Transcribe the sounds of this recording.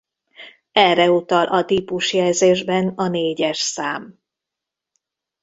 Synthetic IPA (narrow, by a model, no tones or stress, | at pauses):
ɛrɛut̪ɒlʔɒt̪ipuʃjɛlzeːʒbɛnɒneːɟɛʃsaːm